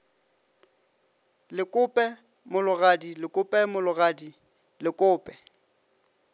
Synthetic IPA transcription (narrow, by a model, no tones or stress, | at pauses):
lɪkʼʊpʼɛ | mʊlʊɣadilɪkʼʊpʼɛmʊlʊɣadi | lɪkʼʊːpʼɛ̥